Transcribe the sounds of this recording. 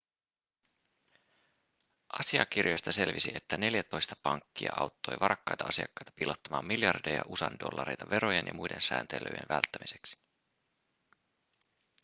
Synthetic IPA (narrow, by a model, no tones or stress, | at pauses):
ʔɑsiɑk̟irjo̞jst̪ɑse̞lʋisie̞t̪ːæne̞ljæt̪o̞jst̪ɑ̥pɑŋkːiɑʔɑwt̪ːo̞jʋɑɾɑkːɑjt̪ɑɑsiɑkːɑjt̪ɑ̥pilot̪ːɑmɑːmːiljɑrdejɑʔusɑndo̞̰lːɑɾe̞jt̪ɑʋe̞ɾojenjɑ̰mujde̞nsæːnt̪elø̰jḛnʋælt̪ːæmiseksi̥